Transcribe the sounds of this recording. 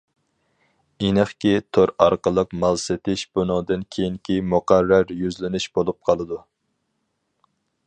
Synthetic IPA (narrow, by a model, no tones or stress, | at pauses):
enɨχkʲit̪ʰoɾɑɾqəlˠəqmɑlˠsɪt̪ʰɪʃbunɨŋd̪ɨnkʲʰejiŋkʲʰimuqæɾːæɾjyzlɪnɪʃbolˠup̚qʰɑlˠɨd̪u